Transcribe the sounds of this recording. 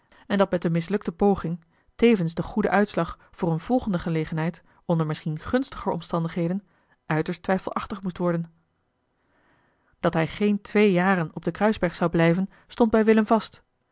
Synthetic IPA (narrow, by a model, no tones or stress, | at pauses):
ɛndɑt̚mɛt̚dəmɪs̬lɵk̚təpowχɪŋ | tejvənszdəχudə̰ʔœɥtslɑχ | v̥ʊːrənv̥ɔlˠχəndəχəlejχənɦɛjt | ɔndəɹmɪsχinχɵnstəχəɹɔ̰mstɑndəχɦejdən | ʔœɥtəɹstʋɛjfəlˠɑχtəχmustʋɔɹdən | d̥ɑtɦɛjχejntʰʋejjaːɾənɔb̚dəkrœɥzbɛɹχsɑwblɛjvən | stɔnd̚bɛjʋɪləmvɑst